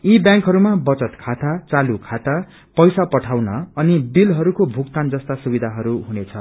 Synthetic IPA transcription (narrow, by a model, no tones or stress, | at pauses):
ibjãŋkɦʌɾumabʌt͡sʌt̪kʰat̪at͡salukʰat̪a | pʌjsapʌʈʰawnʌːnibilɦʌɾukobʱukt̪and͡zʌst̪asubid̪ʱaɦʌɾuɦunet͡sʰʌ